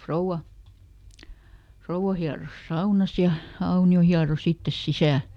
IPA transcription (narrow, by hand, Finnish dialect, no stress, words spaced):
frouw̆ɑ frouɑ hiɑros sɑunɑs jɑ ɑunio hiɑros itːes sisæˑl